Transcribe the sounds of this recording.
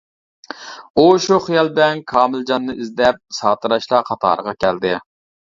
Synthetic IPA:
uʃuχijɑlˠbɪlɛnkʰɑːmɪld͡ʒɑnːɨizd̪ɛp̚sɑːt̪ʰɨɾɑʃlˠɑqʰɑt̪ʰɑ̰ːɾəʁɑkʲʰɛld̪ɪ

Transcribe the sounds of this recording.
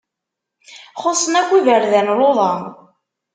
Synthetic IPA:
χosˤːənækʷːivəɾðænloðˤɑn

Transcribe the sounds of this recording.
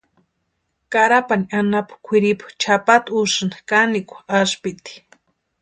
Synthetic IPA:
kaɾapaniʔanapḁkʷʰiɾipḁt͡ʃʰapat̪uʃɨnḁkanikʷḁaʃpit̪i̥

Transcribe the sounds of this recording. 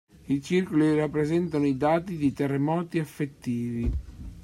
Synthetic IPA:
it͡ʃirkolirapːɾezɛnt̪anoid̪aːt̪id̪et̪erːemɔːt̪iafːet̪ːiːvi

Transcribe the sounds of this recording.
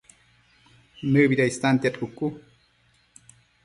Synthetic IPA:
nɨbiɾaist̪ant̪jat̪ʰʼukʼːu

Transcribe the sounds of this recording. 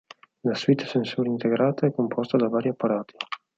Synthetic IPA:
laswit̪ːsensuːɾint̪eɡɾaːt̪aɛkːompʰɔst̪ad̪avaːɾiapːaɾaːt̪ʰi̥

